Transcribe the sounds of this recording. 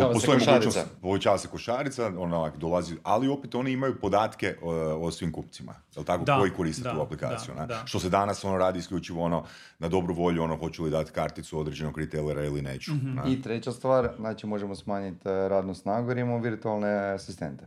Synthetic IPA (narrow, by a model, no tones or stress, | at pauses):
pot̪oimoupo̞ʋet͡ɕaːʋaseko̞ʃaːɾit̪saonakd̪olaziʔalio̞pet̪o̞niimajupo̞d̪aːt̪ke̞ʔosʋimkupt̪sima̰jelt̪akoko̞jiko̞ɾist̪i̥t̪uaplika̰ːt̪sijṵnaʃt̪o̞se̞d̪anaso̞noɾaːd̪iːskʎʲut͡ʃiʋoono̞ | nad̪o̞bɾuʋo̞ʎuo̞noxo̞t͡ʃulid̪at̪kaɾt̪it̪suo̞d̪ɾed͡ʑe̞noɡɾit̪eleɾailinḛːt͡ʃu̥nait̪ɾet͡ɕast̪ʋaːɾznaːt͡ʃimo̞ʒemosmaːɲit̪ɾaːd̪nusnaɡuiɾimoʋiɾt̪ualˠneasist̪ḛnt̪e